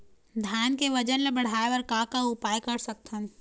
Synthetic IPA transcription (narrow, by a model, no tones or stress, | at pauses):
d̪ʱaːnkeʋɐd͡ʒənlebɐɽ̤aːeəɾkakaʊpaːjkɐɾsɐk̚t̪ʰən